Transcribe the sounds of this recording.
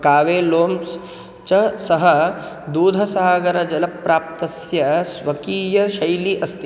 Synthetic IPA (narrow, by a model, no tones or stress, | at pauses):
kaːʋeːloːms | t͡ʃɐsɐɦɐ | d̪uːd̪ʱɐsaɦaɡɐɾɐd͡ʒɐlɐpːɾaːp̚t̪ɐsjɐsʋɐkiːjɐʃɐjliʔɐst̪i